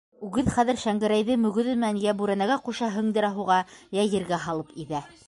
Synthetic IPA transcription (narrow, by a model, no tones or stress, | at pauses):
ʉɡɘðχæðɘ̆ɾʃæŋɡɘ̆ɾæjðɘmɵ̆ɡɵ̆ðɘ̆mɘ̆nænjæbʉɾænæɡæquʃɑɦɵ̆ŋd̪ɘ̆ɾɑɦuʁɑjæjɘ̆ɾɡæɦɑlˠɤpiðæ